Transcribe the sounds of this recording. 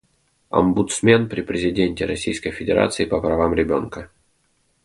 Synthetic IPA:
ɐ̰mbʊt̪smʲe̞npɾʲɪpɾʲɪzʲɪdʲenʲtʲɪɾɐsʲijskəjfʲɪdʲɪɾa̰t̪sɨɪpəpɾɐvamɾʲɪbʲo̞̰nkə

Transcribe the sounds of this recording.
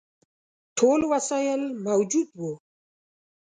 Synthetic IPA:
ʈʰolwasajɪlmawd͡ʒud̪wo

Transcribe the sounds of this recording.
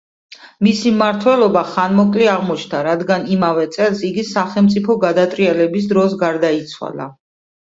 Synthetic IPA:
misimmaɾt̪ʰwɛlˠɔbaχanmɔkʼliaʁmɔt͡ʃʰnd̪aɾad̪ɡanimavɛt̪sʼɛlˠsiɡisaχɛlˠmt̪sʼipʰɔɡad̪at̪ʼɾialɛbis̬d̪ɾɔsɡaɾd̪ait̪sʰwa̰la̰

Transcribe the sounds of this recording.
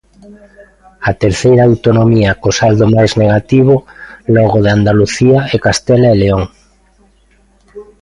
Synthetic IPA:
at̪eɾθejɾaawt̪onomiakosald̪omajzneɣat̪iβ̞olɔɣ̞oðand̪aluθiaekast̪elaeleoŋ

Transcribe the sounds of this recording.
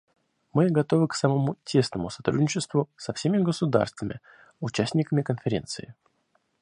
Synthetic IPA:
mɨɡɐt̪o̞vɨksəmɐmutʲʰe̞snəmʊsɐ̥t̪ɾṵdʲnʲɪt͡ɕɪst̪vʊsɐfsʲemʲɪɡəsʊd̪a̰rst̪vəmʲɪ̰ | ʊt͡ɕæsʲtʲnʲɪkəmʲɪkənfʲɪɾʲe̞nt̪sɨɪ

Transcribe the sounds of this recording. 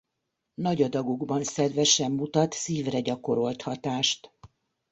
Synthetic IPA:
nɒɟɒd̪ɒɡuɡbɒnsɛd̪vɛʃɛmːut̪ɒt̪siːvrɛɟɒko̞ɾo̞lt̪hɒt̪aːʃt̪

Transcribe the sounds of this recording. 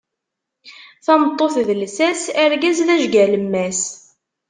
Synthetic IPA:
θɑmət̪ˤːoθðəlsæsæɾɡæzðæʒɡæləmːæs

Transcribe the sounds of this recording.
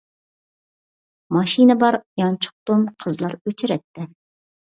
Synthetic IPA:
mɑʃinɨbɑɾjɑnt͡ʃʰʊ̥χ̚t̪ʊmqʰəzlˠɑɾøt͡ʃʰɪɾɛt̪ːɪ

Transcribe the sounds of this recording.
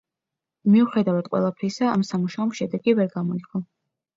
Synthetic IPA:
miuχɛd̪avad̪̚ʼqʼwɛ̰lˠapʰɾisaamsamuʃaɔmʃɛd̪ɛɡivɛɾɡamɔiqʼɔ

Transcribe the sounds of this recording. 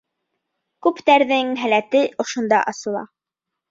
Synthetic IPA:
kʉpt̪æɾðɘŋɦælæt̪ɘʔŏʃŏnd̪ɑ̰ʔɑsɤ̆lˠɑ̰

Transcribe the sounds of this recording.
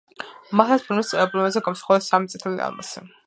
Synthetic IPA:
maχlaspʰilmist̪sʼɛɾɛblɛmazɛɡamsḁχɔvɛsːamit̪sʼit̪ʰɛlḭa̰lˠma̰sɛ

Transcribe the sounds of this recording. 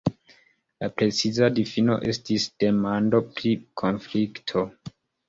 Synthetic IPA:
lapɾe̞t͡sizadifino̞̰ʔe̞stisd̥e̞mando̞pɾikʰo̞nfliktʰo̞

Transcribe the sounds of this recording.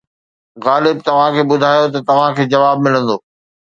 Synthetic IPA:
ɣaːlɪb̚t̪ɐʋ̤ãkʰeːɓʊd̪ʱaːjot̪ɐt̪ɐʋ̤ãkʰeːd͡ʑɐʋaːbmɪlə̃nd̪oː

